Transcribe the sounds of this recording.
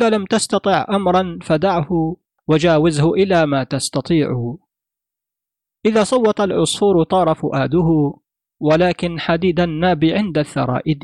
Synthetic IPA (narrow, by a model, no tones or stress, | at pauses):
ʔɪðaːlamt̪ast̪ɑt̪ˤɨʕʔamɾˤɑnfad̪aʕhʊ | wad͡ʒaːwɪzhʊʔɪlaːmaːt̪ast̪ɑt̪ˤiːʕʊ | ʔɪðaːsˤɑwːɑt̪alʕʊsˤfuːɾt̪ˤɑːɾˤɑfʊʔaːd̪ʊɦʊ | walaːkɪnħad̪iːd̪anːaːbiʕɪnd̪aθːɑ̰ɾˤɑ̰ːʔɪd̪